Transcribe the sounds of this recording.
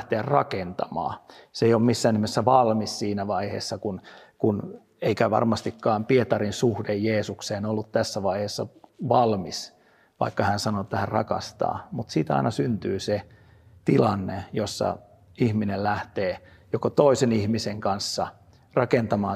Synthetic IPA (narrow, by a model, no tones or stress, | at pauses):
ht̪eærrɑkent̪ɑmɑ̰ːseijolmmisːæːnihmesːæʋɑlmissiːnæʋɑihḛːsːɑkunkun | eikæʋɑ̰rmɑst̪ikːɑːmpiet̪ɑrinsuhdejjeːsukseːnolːut̪t̪æsːæʋɑiheːsːɑ̰ʋɑlmis | ʋɑ̰ikːɑhænsɑnoet̪ːæhærrɑ̰kɑ̰st̪ɑ̰ːmut̪siːt̪ɑ̰inɑsynt̪yːse | t̪ilɑnːejosːɑ̰ | ihminellæht̪eː | jokot̪oisenihmiseŋkɑnsːɑ | rɑkent̪ɑmɑː